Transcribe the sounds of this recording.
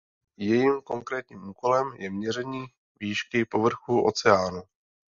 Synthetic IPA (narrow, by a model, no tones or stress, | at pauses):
jɛjiːmko̞ŋkɾɛːt̪ɲiːmʔuːko̞lɛmjɛmɲɛrɛɲiː | viːʃkɪpo̞vr̩xuːʔo̞̰t͡sɛaːnu